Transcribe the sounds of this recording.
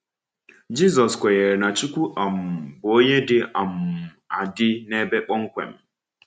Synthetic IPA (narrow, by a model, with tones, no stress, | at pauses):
d͡ʒi˦zɔ˨skʷe˨je˨ɾe˨na˨t͡ʃu˦kʷu˦ʔa˨m̩˨bo˦ɲe˦dɪ˦ʔa˨m̩˨a˨dɪ˦ne˦be˦k͡pɔ˦ŋ̩˦kʷḛ˨m̩˦